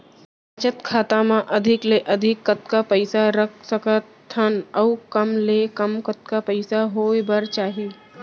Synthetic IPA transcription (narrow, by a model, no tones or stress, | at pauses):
ət͡ʃət̪kʰaːt̪ãmãʔɐd̪ʱɪkleʔɐd̪ʱɪkːət̪kapəɪsaɾəkʰsəkət̪ʰːənɐːkəmlekɐmkət̪̚kapəɪsaɦoːjbəɾt͡ʃaːɦi